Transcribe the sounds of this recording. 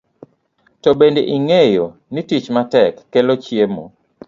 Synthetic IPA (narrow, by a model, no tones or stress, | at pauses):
tɔbendeʔiŋejonitit͡ʃmatɛkːelot͡ʃjemo̰